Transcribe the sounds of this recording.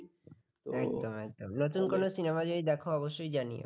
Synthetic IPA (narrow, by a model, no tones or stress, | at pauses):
ɛkd̪omɛk̚d̪omnot̪̬unkonosinemad͡ʑoid̪ɛkʰoɔboʃːojd͡ʑanḭo̰